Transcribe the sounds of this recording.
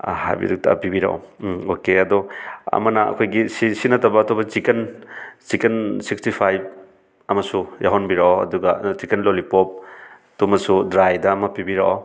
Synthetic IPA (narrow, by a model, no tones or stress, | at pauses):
ha̰jbḭduk̚tʰa̰pibiɾa̰ʔa̰okeɐdɔɐ̰mɐnɐɐ̰kʰojɡisisinɐtɐbɐːtʰobɐt͡ʃikent͡ʃikensikstipʰajb̚ | ɐmɐsujaɦɔnbiɾaaɐ̰duɡɐt͡ʃikenlolipop̚ | tumɐsudɾajdɐːmɐpibiɾaʔa̰w